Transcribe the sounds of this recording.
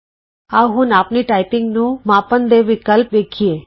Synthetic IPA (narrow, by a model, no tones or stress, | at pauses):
aʋɦũnapniʈaipɪ̃ŋɡnũmãpənd̪eʋɪkəlpʋekʰie